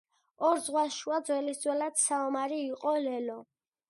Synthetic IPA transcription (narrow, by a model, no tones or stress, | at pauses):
ɔɾzʁwasʃuad̪zwɛlisd̪zwɛlad̪̥saumaɾiːqʼɔlɛlɔ